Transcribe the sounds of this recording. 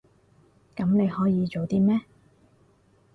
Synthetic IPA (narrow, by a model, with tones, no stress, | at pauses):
kɐ˨˥mne˨˧jhɔː˨˥jiː˨˧t͡ʃo˨wt̪iː˥mɛː˥